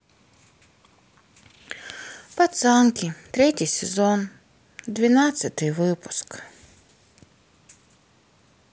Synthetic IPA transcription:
pɐt̪sɑnkʲit̪ɾɛtʲijsezɔn | d̪ʋʲinɑsʲɐt̪ɪjʋɪpʊ̥sk

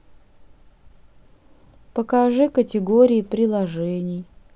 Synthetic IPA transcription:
pəkɐʐɨkətʲɪɡoɾʲɪːpɾʲɪlˠɐʐɛnʲɪj

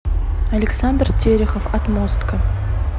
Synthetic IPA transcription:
ɐlʲɪksand̪rt̪ʲeɾʲɪxəfɐt̪most̪kə

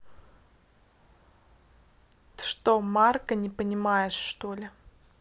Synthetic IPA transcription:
ɨ̥ʂt̪omarkənʲɪpənʲɪmajɪʂːt̪olʲɪ

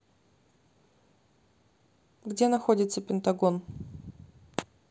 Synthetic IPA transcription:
ɡdʲenɐxodʲɪt̪səpʲɪnt̪ɐɡon

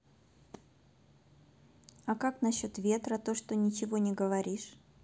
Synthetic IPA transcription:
ɐkaknɐɕːo̞t̪vʲe̞t̪ɾət̪o̞ʂt̪onʲɪt͡ɕɪvo̞nʲɪɡəvɐɾʲiʂ

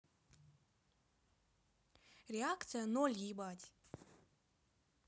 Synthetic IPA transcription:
rʲɪakt̪sɨjənolʲjibatʲ

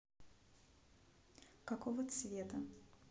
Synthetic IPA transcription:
kɐkovət̪svʲet̪ə

